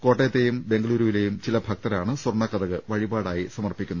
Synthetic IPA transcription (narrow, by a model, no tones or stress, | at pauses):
ko̞ːʈːejɐt̪ːejumbe̞ŋɡɐɭuːɾuʋile̞jumt͡ɕilɐbʱɐk̚t̪ɐɾaːɳɨswurɳɐkːɐd̪ɐɣɨʋɐɻibaːɽaːjisɐmɐrpikʲːunːɐ